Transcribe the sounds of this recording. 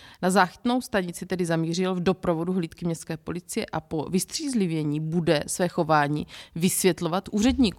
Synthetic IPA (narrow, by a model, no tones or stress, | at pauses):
nazaːxɪ̥t̪no̞wst̪aɲɪt͡sɪt̪ɛdɪzamiːr̝ɪlvdo̞pɾo̞vo̞duɦliːt̪kɪmɲɛst̪kɛːpo̞lɪt͡sɪjɛ̰ʔapo̞vɪst̪r̝̥iːzlɪvjɛɲiːbudɛsvɛːxo̞vaːɲḭːvɪsvjɛt̪lo̞vat̪ʔuːrɛdɲiːk